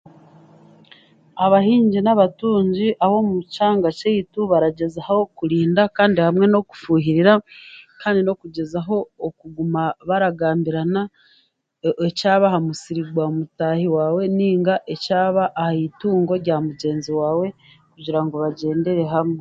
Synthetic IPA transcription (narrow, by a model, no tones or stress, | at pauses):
aβaɦiːɲɟinaβatuːɲɟiʔaβo̞mut͡ʃaːŋɡat͡ʃejituβaɾaɟe̞zaho̞kuɾiːndakaːndihamŋe̞no̞ku̥fuːɦiɾiɾakaːndino̞kuɟe̞zaɦo̞ːkuɡumaβaɾaɡaːmbiɾana | ecaːβahamusiɾiɡwaomutahiwaːwe̞niːŋɡaʔecaːβaʔːhaituːŋɡo̞ɾɟaːmuɟe̞ːnziwaːwe̞ | kuɟiɾaŋɡo̞βaɟe̞ːnde̞ɾe̞ɦamŋe